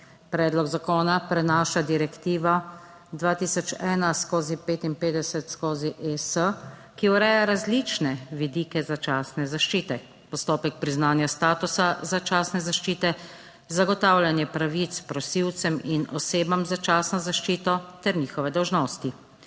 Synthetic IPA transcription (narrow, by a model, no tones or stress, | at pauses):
pɾɛːd̪lɔɡzakoːnapɾɛnaːʃad̪iɾɛkt̪iːʋa | d̪ʋaːt̪iːsɔt͡ʃɛːnaskoːzipeːt̪inpeːd̪ɛsɛt̪skoːziʔesəkiuɾɛːjaɾazlit͡ʃnɛʋid̪iːkɛzat͡ʃaːsnɛzaʃt͡ʃiːt̪ɛ | pɔst̪oːpɛk̚pɾiznaːnjast̪aːt̪usazat͡ʃaːsnɛzaʃt͡ʃiːt̪ɛ | zaɡɔt̪aːwlʲjanjɛpɾaʋit̪spɾɔsiwt̪sɛminɔseːbamzat͡ʃaːsnɔzaʃt͡ʃiːt̪ɔt̪ɛɾniːxɔʋɛd̪ɔwʒnɔːst̪i